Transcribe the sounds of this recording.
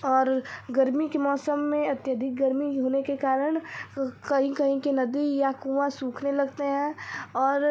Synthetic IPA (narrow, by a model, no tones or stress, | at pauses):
ɔːɾɡɐɾmikemɔːsəmːẽɐt̪jəd̪ʱɪk̚ɡɐɾmiɦoːnekekaːɾəɽ̃kɐɦĩkɐɦĩkenɐd̪ijakũːʋãsuːkʰnelɐɡt̪eɦɛ̃ɔːɾ